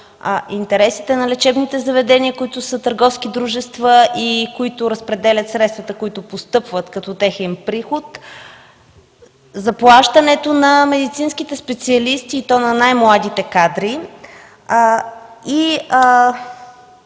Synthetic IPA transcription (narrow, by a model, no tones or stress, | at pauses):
int̪ɛɾɛsit̪ɛnɐlɛt͡ʃɛbnit̪ɛzɐvɛd̪ɛniəkʊit̪ʊsət̪əɾɡɔfskid̪ɾuʒɛst̪vəʔikoit̪ʊɾəspɾɛd̪ɛlʲɐt̪sɾɛt̪st̪vɐt̪əkoit̪ʊpost̪ɤpvət̪kɐt̪ɔt̪ɛxɛnpɾixʊt̪ | zɐplˠaʃt̪ənɛt̪onɐmɛd̪it̪sinskit̪ɛspɛt̪siɐlist̪iːt̪ɔnɐnajmlˠad̪it̪ɛkad̪ɾi | i